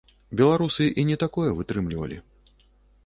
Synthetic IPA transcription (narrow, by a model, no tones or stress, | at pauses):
bʲɛlˠaɾusɨʔinʲɛt̪akɔjɛvɨt̪ɾɨmlʲivɐ̰lʲḭ